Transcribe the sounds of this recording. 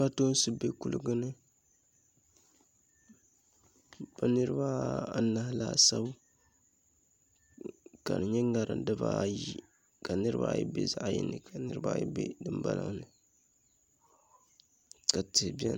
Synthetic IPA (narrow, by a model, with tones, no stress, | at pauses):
a˦to˦n˦sɨ˦be˦ku˦lɨ˦ɡɨ˦nɨ˦ | ba˦nɨ˦ɾɨ˦ba˦a˦na˨hɪ˦la˦˨sa˦bu˦ | ka̰˨nɨ˨ɲɛ˦ŋa˨ɾɨ̰˨ndɨ˦ba˦ji˦ | ka˨nɨ˦ɾɨ˦ba̰˦˨jɛ̰˦be˦za˦ʔjɛ̰˦nːɨ˨kʰa˨nɨ˦ɾɨ˦ba̰˦jɛ̰˦bɛ̰˦dɨ˨mba˦la̰˨ŋnɨ˨ | ka˨tɪ˨hbi˦ɛ̰˦n